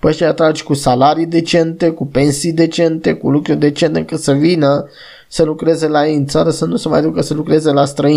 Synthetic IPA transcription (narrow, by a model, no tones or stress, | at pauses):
pəʃejat̪ɾad͡ʒʲkusalaɾijd̪e̞t͡ʃe̞nt̪e̞kupe̞nsijd̪e̞t͡ʃe̞nt̪e̞kṵlukɾurʲd̪e̞t͡ʃe̞nt̪eɨŋkəsəvinə | səlukɾe̞ze̞lajejɨnt̪saɾəsənusəmajad̪ukəsəlukɾe̞ze̞last̪ɾəi